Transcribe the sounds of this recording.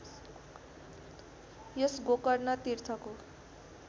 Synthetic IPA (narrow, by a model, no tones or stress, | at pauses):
jʌsɡokʌrnʌt̪irt̪ʰʌko